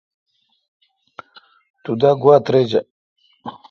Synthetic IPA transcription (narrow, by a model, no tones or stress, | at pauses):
t̪ud̪aɡwaːt̪ɾed͡ʑɐ